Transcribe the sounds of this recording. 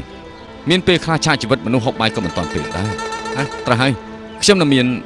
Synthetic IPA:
miənpeːlkʰlaht͡ɕʰaːʔt͡ɕiːʋɨt̪̚mɔnuhɦok̚ɓajkːɑːmənt̪ŏənp̪ḛːɗa̰ɛhaːt̪rəɦaəj | kʰɲomnɨŋmiən

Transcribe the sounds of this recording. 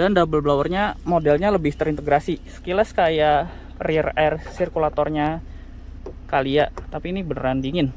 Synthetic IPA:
dandabəlblawərɲamodɛlɲaləbɪht̪əɾint̪əɡɾasisə̥kilaskaja | rirɛrsirkulat̪ɔrɲa | kaliaʔt̪apiːnibənəɾandiŋɪn

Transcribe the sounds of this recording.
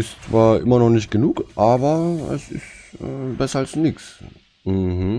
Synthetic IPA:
ɪst͡sv̥aːɐʔɪ̰mɐnɔχnɪçt̚ɡ̥ənuːkʔaːbɐɛ̰sɪ̰stəːbɛsɐalsnɪks | m̩hm̩

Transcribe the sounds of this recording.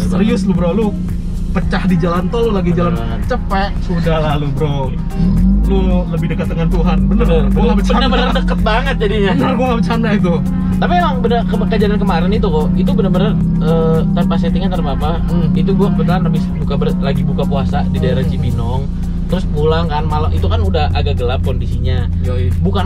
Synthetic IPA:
ssəɾiʊslʊbəɾawlʊ | pət͡ʃahdid͡ʒalant̪ɔlʊlaɡid͡ʒalanbaŋət̪̚t͡ʃəpaʔsudahlahlubəɾa | lʊləbɪhdəkət̪̚ːəŋant̪uɦanbənərboŋabət͡ʃbənəbənərdəkət̪̚baŋət̪̚d͡ʒadijanəboŋabət͡ʃanait̪̬u | t̪apiaŋbənərkəməkad͡ʒanankəmaɾɛnit̪ukɔit̪ubənərbənər | ət̪ərpaset̪ɪŋɲant̪ərpapa | it̪̬uɡuabət̪anləbɪsbukabərlaɡibukapuasadidaeɾasibinɔŋ | t̪əɾʊsɡulaŋkanmalamit̪ukanudaha̰ɡaʔɡəlap̚kondisiɲa | bukan

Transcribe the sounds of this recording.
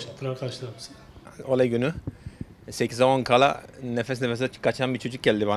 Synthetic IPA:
t̪ʰːɯɾaɾkʰaʃlˠamsolʲaɟyny | secʰizamonkʰalˠa̰nefɛs̬nefɛs̬nɛ̥kʰat͡ʃʰanbiɾt͡ʃʰo̞d͡ʒuk̚ɟɛlʲd̪iβba

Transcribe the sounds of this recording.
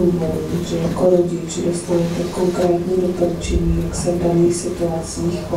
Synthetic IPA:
uboɾʒɛjakoɾoɟɪt͡ʃdost̪alɛt̪okoŋkɾɛːt̪ɲiːdopolut͡ʃɛɲiːjaksɛvdaniːxsɪt̪uat͡siːxpo

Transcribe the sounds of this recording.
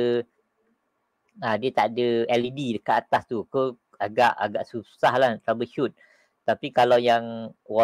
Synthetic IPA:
ãdiət̪aʔdəɛlididəkaʔat̪ast̪ukə | aɡaʔa̰ɡaʔsusahlahnt̪ɾabəʃut̪̚ | t̪ːapikalawjaŋwa

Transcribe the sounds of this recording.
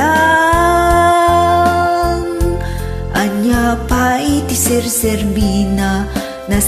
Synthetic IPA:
a | ŋ | ʔɐɲapajt̪isɛɾsɛɾmina | nɐ

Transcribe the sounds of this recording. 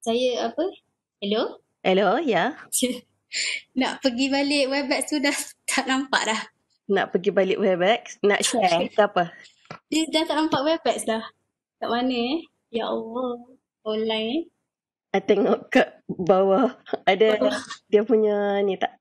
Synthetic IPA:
sajəapə | hɛlo | hɛloja | na̰ʔpəɡibalɪʔwɛbɛkst̪udat̪ʰaʔnampa̰ʔlah | na̰ʔpəɡibalɪʔwɛbɛk̚sna̰ʔʃɛkəapə | dədat̪aʔnampaʔwɛbɛkslah | t̪aʔmanə | jaʔo | ɔnlaj | ajt̪ɛŋɔʔkəʔbawəadəwdiəpuɲənĩt̪aʔ

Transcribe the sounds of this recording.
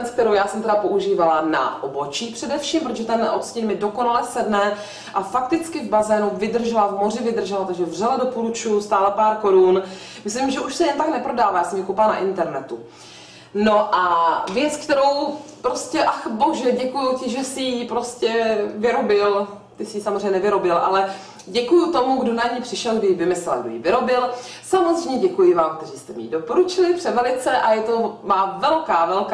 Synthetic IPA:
t͡sk̚t̪ɛɾowjaːsɛmt̪ɛdapo̞ʔuʒiːvalana̰ʔobo̞t͡ʃiːpr̝̥ɛdɛfʃiːmpɾot̪oʒɛt̪ɛno̰t̪scɪnmɪdo̞konalɛsɛdnɛ | ʔafakt̪ɪt͡skɪvbazɛːnuvɪdr̩ʒɛlavmo̞r̝ɪvɪd̪r̩ʒɛlat̪aɡʒɛvrɛladopulut͡ʃjust̪aːlapaːɾko̞ɾun | mɪslɪmʒɛʔuʃsɛjɛnt̪aknɛpɾo̞daːvaːjaːsɛmɲɛkowplana̰ʔɪnt̪ɛɾnɛt̪u | noʔavjɛt͡skt̪ɛɾo̞wpɾoscɛʔaxboʒɛɟɛkujucɪʒɛsɪjipɾoscɛvɪɾo̞bɪl | t̪ɪsɪjisamozrejɲɛnɛvɪɾo̞bɪlʔa̰lɛ | ɟɛkujut̪o̞muɡdo̞naɲiːpr̥ɪʃɛlɡdɪjivɪmɪslɛlɡdo̰jḭvɪɾo̞bɪl | samozrɛjɲɛɟɛkujɪvaːmk̚t̪ɛriːst̪ɛmḭdopo̞ɾut͡ʃɪlɪpr̝̥ɛvɛlɪt͡sɛʔajɛt̪o̞maːvɛlkaːvɛlk

